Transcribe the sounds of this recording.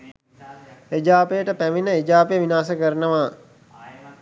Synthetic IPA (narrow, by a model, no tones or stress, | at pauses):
ed͡ʒaːpəjəʈəpæʋinəed͡ʒaːpəjəʋinaːsəkəɾənəʋaː